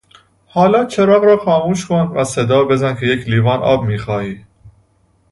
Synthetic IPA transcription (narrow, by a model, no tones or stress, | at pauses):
hɒːlɒːt͡ʃʰeɾɒːɣɾɒːxɒːmuːʃkʰonvæsed̪ɒːbe̞zænkʰe̞jekʰliːvɒːnʔɒ̰ːbmiːxɒːhiː